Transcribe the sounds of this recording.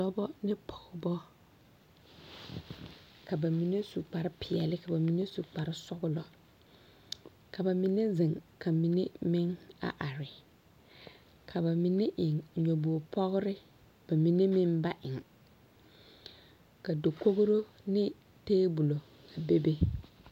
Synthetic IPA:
dɔ˦bɔ˦nɪ˦pʰɔ̥˨ɣʊ˦bɔ˦ | ka˨ba˨mi˨ne˦su˨k͡pa˨ɾɪ˦pʰɪ˨ɛ˨lɪ˦ka˨ba˨mi˨ne˦su˨k͡pa˨ɾɪ˦sʊ˦ɣʊ˦lɔ˦ | ka˨ba˨mi˨ne˦zɪ˨ŋkʰa˨mi˨ne˦mɪ˦ŋa̰˨ʔa˨ɾɪ˨ | kʰa˨ba˨mi˨ne˦ʔɪ˨ŋɲo˨bo˨pʰɔ˦ɣʊ˦ɾɪ˦ | b̥a˨mi˨ne˦mɪ˦nba˦ʔɪ˨ŋ | ka˨do˨ko˦ɣɾo˦ | nɪ˦ | teː˦bu˨lo˨ | ka˨be˦be˦

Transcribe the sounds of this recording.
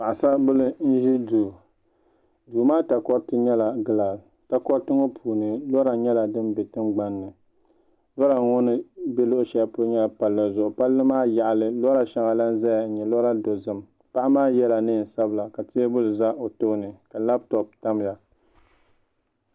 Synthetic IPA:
pa˨ʔa˨sa˦bʊ˦lɨ˦n̩˦ʒi˦duː˨ | duː˨maː˦ta˨kɔ˦ɾtɨ˦ɲɛ˦la˨ɡɨ˨laː˨l | ta˦kɔ˦ɾtɨ˦ŋo˦pʰuː˨nɨ˨lɔ˦ɾa˨ɲɛ˦la˨dɨ˦nbɛ˨tɨ˦mɡ͡ba˨nːɨ˨ | lɔ˦ɾa˨ŋɔ˦nɨ˦bɛ˦lʊ˦ʔʊ˦ʃɛ˨˦a˦po˦ɲɛ˦la˨pa˨lːa˨zʊ˨ʔʊ˨pa˦lːɨ˦maː˦ja˨ʔlɨ˨lɔ˦ɾa˨ʃɛ˦ŋa˨la˦n˦za˦ja˨˦ɲɛ˨lɔ˦ɾa˦do˨zɨ˦m | pa˦ʔa˦maː˦jɛ˦la˨nɨ˦˨n̩˨sa˦bla˨ka˨ti˦bʊ˦lɨ˨za˦ʔo˨to˦nɨ˨ka˨la˦b̚tɔ˨pta˦m˦ja˨

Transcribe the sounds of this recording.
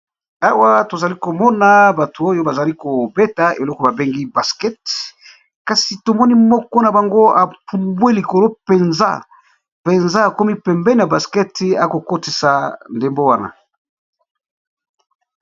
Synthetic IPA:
a˦wa˦to˨za˨li˦ko˨mɔ˦na˦ba˨tu˨o˦jo˦ba˨za˨li˦ko˨bɛ˦ta˨ḛ˨lɔ˦kɔ˨ba˨be˦ŋɡi˦ba˨skɛ˦t | ka˨si˨to˨mɔ˦ni˦mɔ˦kɔ˦na˨ba˨ŋɡo˦a˨pu˨mbwe˦li˨ko˨lo˦pe˨nza̰˦ | pe˨nza˦a˨ko˦mi˦pɛ˨mbɛ˦n˦˨a˨ba˨skɛ˦ta̰˨˦ko˨ko˦ti˨sa˨nde˨mbo˦wa˦na̰˨

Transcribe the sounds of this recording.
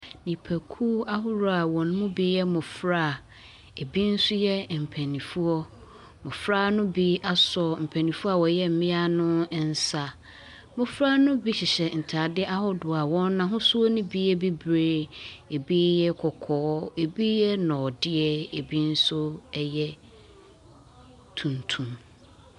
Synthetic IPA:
nĩ˨pʰæ˨kʰuː˦a˦ɦʊ˦ɾʊ˦a˨wɔ̃˨ñ˦mʊ̃˦bi˦jɛ˦mʊ̃˨fɾa˦˨ | e˨bi˦n̩˦sʊ˦jɛ˦m̩˨pʰæ˨nĩ˨fu˦ɔ˦ | mʊ̃˨fɾa˦nʊ̃˦bi˦a˦sɔ˦m̩˨pʰɛ̃˨nĩ˨fu˦a˦˨wɔ˨jɛ˦m̩˨mɪ̃˦a˦nʊ̃˦n̩˦sa˨ | mʊ̃˨fɾa˦nʊ̃˦bi˦ɕɪ˨ɕɛ˨n̩˨tʰa˨dɪ˦ʔa˦ɦɔ˦dʊ˨a˨wɔ̃˦nːã˨ɦʊ̃˦su˦ɔ˦nʊ̃˦bi˦ɛ˦bi˦bɾeː˦e˨bi˦jɛ˦kʰɔ˨kʰɔː˨˦e˨bi˦jɛ˦nɔ̃˨dɪ˦ɛ˦e˨bi˦n̩˦sʊ˦jɛ˦ | tʰũ˨ntʰũ˨m

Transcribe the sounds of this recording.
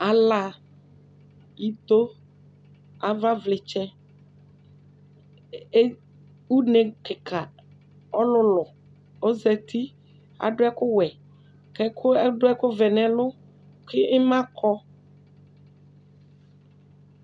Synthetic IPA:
a˨la˨ | i˦t̪o˦ | a˨va˦vlɪ˨t͡ʃɛ˦ | u˦nɛ̃˨kɪ˨kʰa˨ | ɔ˦lʊ˦lʊ˨ | o˦zɛ˨t̪ʰi˦ | a̰˨ɖʊ˦ɛ˦kʊ˦wɛ˨ | kɛ˦kʰʊ˦ɛ˦ɖʊ˦ɛ˦kʊ˦vɛ˨nɛ̃˨lʊ˦ | kɪ˦ɪ˦mã˦kʰɔ˦

